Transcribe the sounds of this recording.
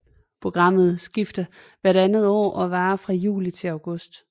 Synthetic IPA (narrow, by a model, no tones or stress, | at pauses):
pʰʁo̝ɡ̥ʁɑ̈m̰ð̞̩ˠsɡ̥ifd̥ə | ʋæɐɾ̥ænð̞̩ˠɒ̰ːʔɒ̽ʋɑ̈ːfʁɑ̈jṵːlit͡sʰe̝lɑʊɡ̥ɔ̽sd̥